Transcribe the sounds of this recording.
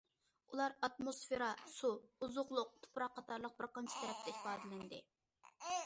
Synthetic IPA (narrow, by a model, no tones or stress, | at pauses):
ulˠɑɾɑt̪̚mosfeɾɑsuuzʊʁlˠʊq̚t̪ʰu̥pɾɑqʰːɑt̪ʰɑɾlˠəq̚bɪɾqɑnt͡ʃʰi̥t̪ʰɛɾɛp̚t̪ʰɛipɑːd̪ɨlɪnd̪ɪ̰